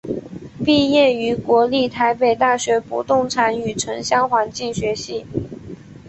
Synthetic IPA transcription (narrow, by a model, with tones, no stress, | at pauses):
pi˥˧jɛ˥˩y˧˥kwɔ˧˥li˥˩t̪ʰa˧˥ɪpe˨˩ɪt̪a˥˩ɕɥɛ˧˥pṵ˨˩t̪ʊ˥˩ŋʈ͡ʂʰa˧˥ny˨˩ʈ͡ʂʰɤ˧˥ŋɕjɑ˥ŋxwa˧˥nt͡ɕi˥˩ŋɕɥɛ˧˥ɕi˥˩